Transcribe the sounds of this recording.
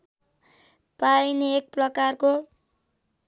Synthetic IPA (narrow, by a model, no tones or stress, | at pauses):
pajneek̚prʌkarko